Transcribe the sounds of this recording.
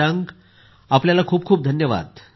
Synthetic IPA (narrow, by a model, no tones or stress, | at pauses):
aŋɡ | apljalakʰuːp̚kʰuːp̚d̪ʱənjəʋa̰d̪